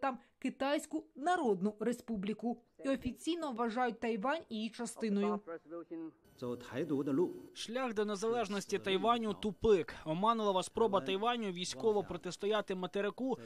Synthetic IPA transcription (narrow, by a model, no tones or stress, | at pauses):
t̪ɑmkɪt̪ajsʲkʊnɐɾɔd̪nʊɾespublʲikʊiɔfʲit͡sʲijnɔʋʋɐʒɑjʊt̚ʲt̪ɐjʋɑnʲijit͡ʃɐst̪ɪnɔjʊ | t͡sɔt̪ʰajd̪ud̪ɐluʃʃlʲaxd̪ɔne̞zɐlˠɛʒnɔsʲtʲit̪ɐjʋɑnʲʊt̪ʊpɪkɔmɑnʊlˠɐʋɐspɾɔbɐt̪ɐjʋɑnʲʊʋʲijsʲkɔʋɔpɾɔt̪est̪ɔjɑt̪ɪmɐt̪eɾɪku